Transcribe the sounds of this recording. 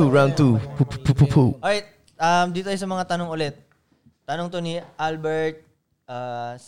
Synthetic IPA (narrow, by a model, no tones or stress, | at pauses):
uɹawnt̪upuppupupʰoʔoɹajt̪̚ | ʔɐmd̪iːt̪ojsɐmɐŋat̪ɐnoŋʊlɛt̪̚ː | ɐnoŋt̪o̞niʔalbɛɹt̪̚ | ʔas